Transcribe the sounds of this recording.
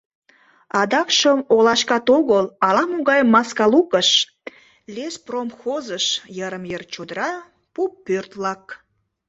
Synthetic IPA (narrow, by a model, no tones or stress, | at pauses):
ɑd̪ɑkʃəmolɑʃkɑt̪oɣəlɑlɑmuɣɑjmːɑskɑlukəʃ | lespromxozəʃjəɾəmjərt͡ɕod̪əɾɑ | pupːørt̪βlɑk